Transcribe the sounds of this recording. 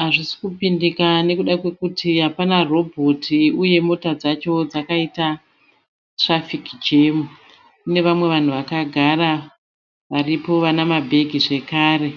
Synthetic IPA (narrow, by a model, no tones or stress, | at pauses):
ɦaʐisi̥kupindikane̞kuɗakwe̞kutʰiɦapanaro̞bʱotʰiuje̞mo̞tad͡zat͡ʃo̞d͡zakaita | trafikd͡ʒemu | kune̞ʋamwe̞ʋan̤uʋakaɡʱara | ʋaripo̞ʋanamabʱe̞ɡʱiʐe̞kaːre̞